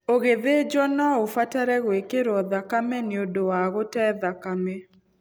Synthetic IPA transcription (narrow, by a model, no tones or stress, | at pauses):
oɣeðed͡ʒɔnaofataɾɛɣwekeɾɔðakamɛneodowaɣotɛðakame